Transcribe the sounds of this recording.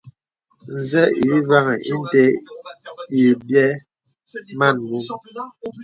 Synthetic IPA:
n̩˨zɛ˦i˨˦va˦ŋɛ˨ʔi˦n˦˨te˦ | i˨bjɛ˦ | ma˦˨nmu˦m

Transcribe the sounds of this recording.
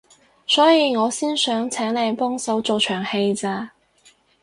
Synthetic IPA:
sɔː˨˥jiː˨˩ŋɔː˨˧siː˥nsœː˨˥ŋt͡sʰɛː˨˥ŋle˨˧˩jpɔː˥ŋso˨˥wt͡so˨wt͡ʃʰœː˨˩ŋhe˧jt͡saː˧

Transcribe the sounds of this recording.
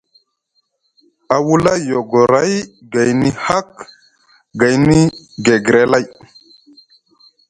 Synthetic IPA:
a˨wu˦la˦jo˨ɡo˨ɾa˦j | ɡa˨jni˦ha˦k | ɡa˨jni˦ɡe˨ɡɾe˨la˦˨j

